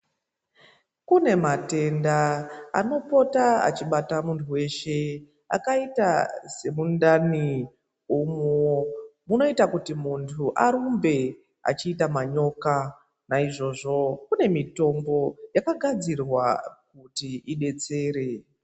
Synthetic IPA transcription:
kune̞mate̞ndaa̰no̞po̞taa̰t͡ʃiɓatamuntʰuwe̞ʃe̞ | a̰kaitase̞mundani | umumuno̞itakutimuntʰuʔaɾumbe̞ | a̰t͡ʃiːtamaɲo̞ka | naiʐo̞ʐo̞kune̞mito̞mbo̞jakaɡʱad͡zirwak̚utiiɗe̞t͡se̞ːɾe̞

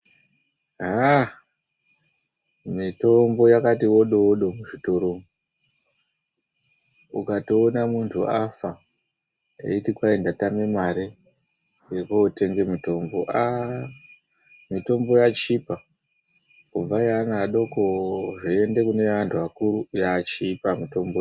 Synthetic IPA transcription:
ɦa | mito̞mbo̞jakatiwo̞ɗo̞ɗo̞muʐito̞ɾom | ukatoːnamuntʰuʔafa | ḛitikwae̞ndatamemaɾe | jekoːte̞ŋɡe̞mito̞mbo̞ʔa | mito̞mbo̞jat͡ʃipa | kub͡vajanaɗo̞koʐiende̞kune̞ʋantʰuakuɾujat͡ʃipamito̞mbo

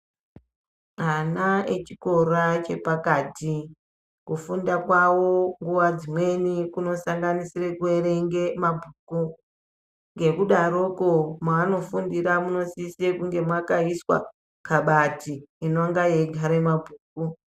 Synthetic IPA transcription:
anaet͡ʃiko̞rat͡ʃe̞pakaːti | kufundakwawoŋɡuʋad͡zimwe̞nikuno̞saŋɡanisire̞kue̞ɾe̞ŋɡe̞mabʱuku | ŋɡe̞kuɗaɾo̞komaːno̞fundiɾamuno̞sisekuŋɡe̞mwakaiswa̰ | kaɓatiːnoŋɡajeɡʱaɾemabʱuːk̚u

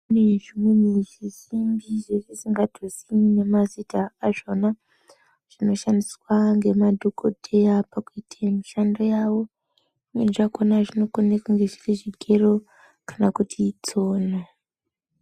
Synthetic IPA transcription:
neʐiweniʐiʃimbiʐeʐisiŋɡadʱosinine̞mazitaːʐo̞na | ʐ̥ino̞ʃandiswaŋɡe̞madʱokʰo̰dʱejapakuitʰamiʃandojaːwo̞ | imwe̞ʐakonaʐino̞konekwaŋɡeʐiriʐiɡʱe̞ro̞ | kḁnakutʰit͡so̞ːna

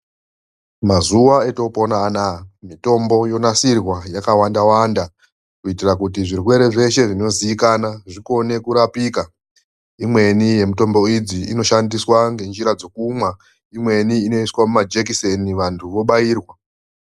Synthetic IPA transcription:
mazuwae̞to̞ponaːnamito̞mbo̞jo̞nasirwajakawandawanda | kuitirakutiʐirwe̞ɾe̞ʐe̞ʃe̞ʐino̞ziːkanaʐiko̞ne̞kuɾapiːka | imwe̞nije̞muto̞mbo̞id͡ziino̞ʃandiswaŋɡe̞nd͡ʒiɾad͡zo̞kumwa | imwe̞niːno̞iswamumad͡ʒekiseniʋantʰuʋo̞ɓaiːrwa

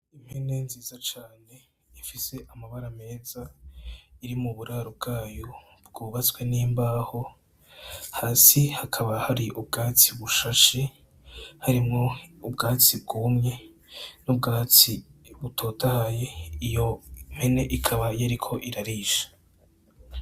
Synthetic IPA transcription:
im̥he̞ne̞nziːzat͡ʃaːne̞ | ifise̞ʔamaβaɾame̞ːza | iɾimuβuɾaɾob̚ɡaːjo̞ | b̚ɡ̥uːβat͡swe̞niːmbaːho̞ | haːsihakʰaβahaɾiʔubɡaːt͡siβuʃaʃe | haɾimŋo̞ubɡaːt͡sib̚ɡuːmŋe̞ | nub̚ɡaːt͡siβutʰo̞ːtʰahaje̞ijom̥he̞ne̞ʔikʰaβajeɾikʰo̞ʔiɾaɾiːʃḁ

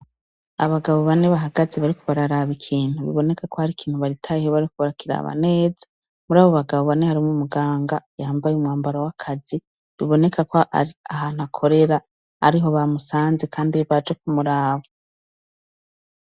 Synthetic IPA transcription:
a̰βaɡaβo̞βane̞βaɦaɡazeβaɾikoβaɾaɾaβikʰiːn̥huβḭβo̞ne̞kakohaɾikʰiːn̥huβaɾitʰajihoβaɾikuβaɾakiɾa̰βa̰ne̞ːze̥ | muɾaːβoβaɡaβo̞βane̞haɾimumuɡaːŋɡajaːmbajumŋaːmbaɾawakʰazi | βiβo̞ne̞kakoa̰ɾiaɦan̥hakʰo̞ɾe̞ɾa̰ː | ɾiɦo̞βamusaːnzekʰaːndiβad͡ʒekumuɾaːβo

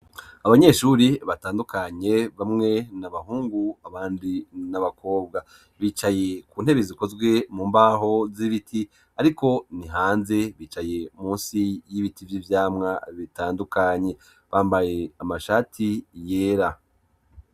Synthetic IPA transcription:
aβaɲe̞ʃuɾiβataːndukaɲe̞βamŋe̞naβaɦuːŋɡuaβaːndinaβako̞ːbɡa | βiːt͡ʃaje̞kuːn̥he̞βeziko̞zɡwe̞muːmbaɦo̞ziβitʰi | aɾiko̞niɦaːnze̞βiːt͡ʃaje̞muːnsijiβitivjivjaːmŋaβitaːndukaɲe̞ | βaːmbaje̞amaʃaːtʰijeːɾa

